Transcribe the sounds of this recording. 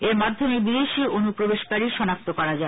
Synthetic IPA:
eɾmad̪ʱːomebid̪eʃiʔonupɾobeʃkaɾiʃɔnak̚t̪okɔɾad͡ʑae

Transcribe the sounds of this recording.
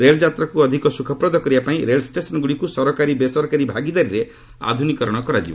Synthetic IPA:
ɾeld͡ʒat̪ɾakuɔd̪ʱikɔsukʰɔpɾɔd̪ɔkɔɾibapaĩɾelsʈesɔnɡuɽikusɔɾɔkaɾibesɔɾɔkaɾibʱaɡid̪aɾiɾe | a̰d̪ʱunikɔɾɔɽ̃ɔkɔɾad͡ʒibɔ̰

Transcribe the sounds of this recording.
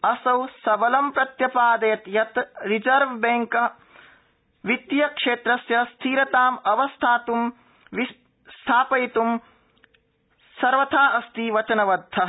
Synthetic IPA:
ɐsɐwsɐbɐlɐmpɾɐt̪jɐpaːd̪ɐjɐt̪jɐt̪ɾid͡ʒɐɾʋbeŋkɐ | ʋit̪jɐkʂeːt̪ɾɐsjɐst̪ʰiːɾɐt̪aːmɐʋɐst̪ʰaːt̪um | ʋis | st̪ʰaːpɐjt̪um | sɐɾʋɐt̪ʰaːʔɐst̪iʋɐt͡ʃɐnɐʋɐd̪ʱːɐ

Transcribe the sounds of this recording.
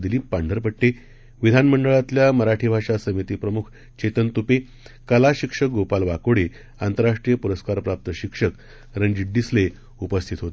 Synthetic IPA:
d̪iliːpaɳɖʱəɾpəʈʈːe | ʋid̪ʱanməɳɖəɭat̪ljaməɾaʈʰiːbʱaʂasəmit̪iːpɾəmukʰ | t͡ɕet̪ənt̪upe | kəlaɕikʂəɡopalʋakoɽe | ant̪əɾaʂʈɾijəpuɾəskaɾpɾap̚t̪əɕikʂək | ɾənd͡ʑiʈ̚ɖisle | upəst̪ʰit̪ɦot̪

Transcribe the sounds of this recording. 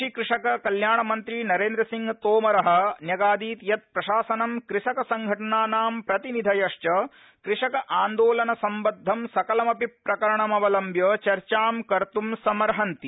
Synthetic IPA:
ikɾɪʂɐkɐkɐljaːɳɐmɐnt̪ɾinɐɾeːnd̪ɾɐsiŋɡt̪oːmɐɾɐɦɐ̆njɐɡaːd̪iːt̪jɐt̪̚pɾɐʃaːsɐnɐmkɾiʂɐkɐsɐŋɡʱɐʈɐɳaːnaːmpɾɐt̪inid̪ʱɐjɐʂt͡ʃɐ | kɾiʂɐkɐʔaːnd̪oːlɐnɐsɐmbɐd̪ʱːɐmsɐkɐlɐmɐpipɾɐkɐɾɐɳɐmɐʋɐlɐmbjɐt͡ʃɐɾt͡ʃaːmkɐɾt̪umsɐmɐɾɦɐnt̪i

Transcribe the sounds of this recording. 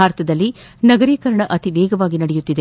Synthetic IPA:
aːɾɐt̪ʰɐd̪ɐlːinɐɡɐɾiːkɐɾɐɳɐʔɐt̪iʋɛːɡɐʋaːɡinɐɽejut̪ːid̪e

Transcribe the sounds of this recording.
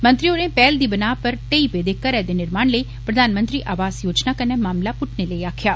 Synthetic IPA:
mɐ̃nt̪ɾioːɾẽpɛːld̪iːbɐnaːpɐɾʈ̪eipeːd̪ekɐɾɛd̪enɪɾmaːɳləiː | pɾɐd̪aːnmə̃nt̪ɾiːʔaːʋaːzjoːd͡ʒnakɐnemaːmlapʊʈʰneləiaːkʰjaː

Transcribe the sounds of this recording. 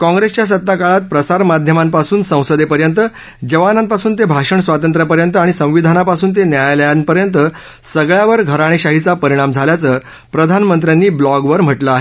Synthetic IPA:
kɔ̃ŋɡɾest͡ɕjas̬ət̪ːakaɭat̪̚pɾəsaɾmad̪ʱjəmampasuːnsə̃w̃səd̪epəɾjənt̪ə | d͡ʑəʋanãmpasuːnt̪ebʱaʂəɳsʋat̪ənt̪ɾəpəɾjənt̪əaɽ̃isə̃w̃ʋid̪ʱanapasuːnt̪̬enjajləjanpəɾjənt̪ə | səɡɭjaʋəɾɡʱəɾaɽ̃eɕaɦit͡sapəɾiɽ̃amd͡zʱaljat͡səː | pɾəd̪ʱanmənt̪ɾjanːiːblɔɡʋəɾm̤əʈləaɦe

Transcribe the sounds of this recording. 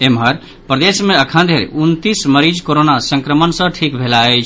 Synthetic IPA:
emɦəɾ | pɾəd̪esmeəkʰənd̪ʱeɾḛunt̪isməɾid͡ʒkoɾonasə̃ŋkɾəmənsə̃ʈʰikbʱelaəjt͡ʃʰ

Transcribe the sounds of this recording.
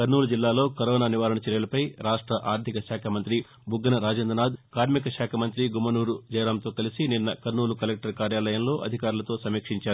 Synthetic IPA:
kɐɾnuːlud͡ʒilːaːlo̞ːkɐɾɔːnaːniʋaːɾɐɳɐt͡ʃɛɾjɐlɐpɐjɾaːʂʈɾɐʔaːɾd̪ʱikɐʃaːkʰɐmɐnt̪ɾi | bʱuɡɐnɐɾaːd͡ʒɐnd̪ɐnaːd̪kaːɾmikɐʃaːkʰɐmɐnt̪ɾiɡumɐnuːɾud͡ʒɐjɾaːmt̪o̞ːkɐlisininːɐkɐɾnuːlukɐlek̚ʈɐɾkaːɾjaːlɐjɐmlo̞ːʔɐd̪ʱikaːɾulɐt̪o̞ːsɐmiːkʂiɲt͡ʃaːɾuu

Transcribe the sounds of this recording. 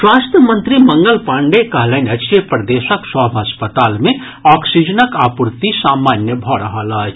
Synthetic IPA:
swaːst̪ʰjəmənt̪ɾiməŋɡəlpaːɳɖekɐɦlaɪnɐt͡ʃipɾəd̪esəkswəbʱəspət̪aːlme | ɔksid͡ʒənəkaːpuɾt̪isaːmanjəbʱɔɾəɦələt͡ʃʰ

